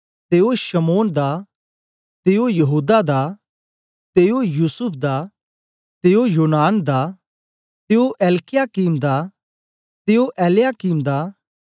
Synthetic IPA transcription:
t̪eːoʃɐmoːnd̪a | t̪eːojɐɦuːd̪ad̪a | t̪eːojuːsʊpʰd̪aː | t̪eːojoːnaːnd̪a | t̪eːoʔɛːlkɪjakiːmd̪a | t̪eːoʔɛːljaːkiːmd̪aː

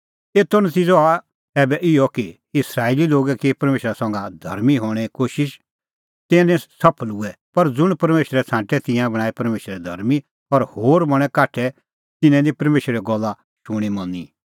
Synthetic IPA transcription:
eːt̪ːɔnɐt̪iːd͡zoa | ɛːbɛʔɪjɔki | ɪsɾaːeːliloːɡɛkipɐɾmeːʃɾasɐ̃ŋɡad̪ʱɐ̰ɾmiɦoːɽ̃ɛkoːʃɪʃ | t̪ɛ̃ːnɛ̃sɐpʰəlʊɛpɐɾd͡zʊɽ̃pɐɾmeːʃɾɛt͡sʰãːʈɛt̪ɪ̃jãbɐ̃aːipɐɾmeːʃɾɛd̪ʱɐ̰ɾmi | ɔɾhoːɾbɐɽ̃ɛ̃kaːʈʰɛ | t̪ɪnɛ̃d̪ipɐɾmeːʃɾɛɡɔlːa | ʃʊɽ̃imɔ̃ni

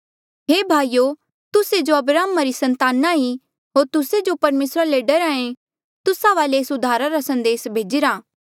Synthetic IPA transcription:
ɦeːbʱaːijo | t̪ʊsed͡ʒoɐbɾaːmaɾisɐ̃nt̪aːnaɦi | ɦoːɾt̪ʊsed͡ʒopɐɾmeːsɾaleɖɐɾãːẽ | t̪ʊsaʋaːleːsʊd̪ʱaːɾaɾasɐ̃nd̪eːsbʱeːd͡ʒɪɾaː

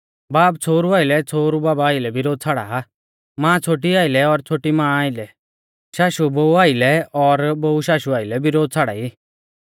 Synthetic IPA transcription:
baːpt͡sʰoːɾuaːɪlɛt͡sʰoːɾubaːbaːɪlɛbɪɾoːd̪̚t͡sʰaːɽa̰a | mãːt͡sʰoːʈ̬iaːɪlɛɔɾt͡sʰoːʈimãːaːɪlɛ | ʃaːʃubouaːɪlɛɔɾbouʃaːʃuaːɪlɛbɪɾoːd̪̚t͡sʰaːɽa̰ːiː

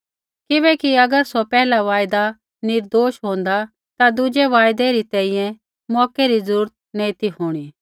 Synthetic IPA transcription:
kɪbɛːkiɐɡəɾsɔpɛːlaʋaːjd̪a | nɪɾd̪oːʃɦõːn̆d̪a | t̪ad̪ʊd͡ʒeʋaːjd̪ɛɾit̪ɛ̃ːĩjɛ̃ | mɔːkɛɾizəɾuːɾət̪̚nẽːt̪iɦoːɽ̃i

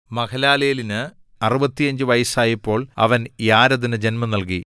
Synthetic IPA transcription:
mɐkʰɐlaːlejɐlinɨ | ɐrubɐt̪ːijɐɲd͡ʑɨʋɐjɐsaːjipːo̞ːɭɐ̰ʋɐnjaːɾɐðinɨd͡ʑe̞nmɐnɐlki

